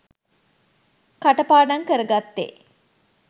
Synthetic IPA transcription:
kaʈəpaːɖaŋkəɾəɡat̪ːḛ

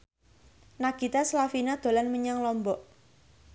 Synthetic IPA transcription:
naɡ̥i̤t̪aslafinad̪̥o̤lanməɲaŋlɔmbɔʔ

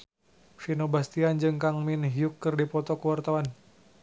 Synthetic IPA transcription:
finobast̪iand͡ʒɨŋkaŋminɦiukːɨrdipɔt̪ɔkəwart̪awan

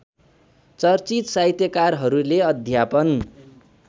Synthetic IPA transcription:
t͡sʌrt͡sit̪sajt̪jʌkarɦʌɾuleʌd̪ʱjapʌn

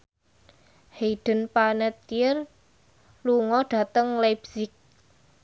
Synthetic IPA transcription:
heiɖ̥ə̤npanət̪jɪr | luŋɔɖ̥ä̤t̪əŋlabsɪk̚

